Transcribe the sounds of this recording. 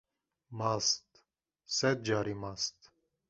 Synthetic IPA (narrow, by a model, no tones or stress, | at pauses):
mɑst̪ | sɛt̪̚d͡ʒɑɾimɑst̪